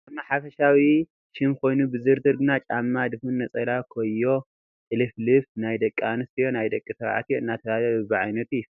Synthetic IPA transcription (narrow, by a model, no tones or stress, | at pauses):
ɐmaħafɐʃawi | ʃɨmkʰo̞jnubɨzɨɾd̪ɨɾɡɨnat͡ʃʼamːad̪ɨfunːɐt͡sʼɐlakʰojːo̞ | ʔɨlɨflɨfnajd̪ɐkʼːanɨst̪ʰɨjonajd̪ɐkʼːisɐβʕa̰t̪ijoɨnːat̪ʰɐβajaβbɨʕajnɐt̪ujːu